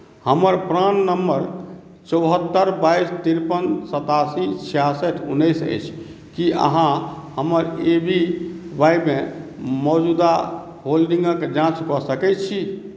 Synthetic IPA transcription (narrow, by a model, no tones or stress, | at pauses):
həməɾpɾanːəmːəɾ | t͡ʃɔʊɦət̪ːəɾbajist̪iɾpənsət̪asit͡ʃʰijasəʈʰunːəjsə̰jt͡ʃʰ | kiə̰ɦãɦəməɾebʱibajbmẽmɔd͡ʒud̪a | ɦolɖĩŋɡəkd͡ʒãt͡ʃkɔsəkɛt̪t͡ʃʰi